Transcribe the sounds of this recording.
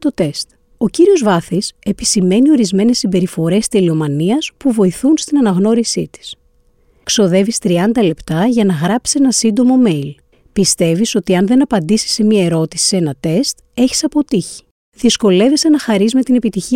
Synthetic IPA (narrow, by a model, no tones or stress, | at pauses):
t̪o̞t̪e̞st̪ | o̞ciɾio̞zvɐθise̞pisime̞nio̞ɾizme̞ne̞sːimbe̞ɾifo̞ɾe̞st̪elio̞mɐniɐspuvo̞iθunst̪inɐnɐɣno̞ɾisit̪i̥s | kso̞ðe̞vist̪ɾiɐnd̪ɐle̞pt̪ɐʝɐnɐɣɾɐpsie̞nɐsind̪o̞mo̞me̞jl | pist̪e̞viso̞t̪iɐnðe̞nɐpɐnd̪isi̥se̞miɐe̞ɾo̞t̪isi̥e̞nɐt̪e̞st̪ | e̞çi̥sɐpo̞t̪içi̥ | ðisko̞le̞vise̞nɐxɐɾizme̞t̪ine̞pit̪içi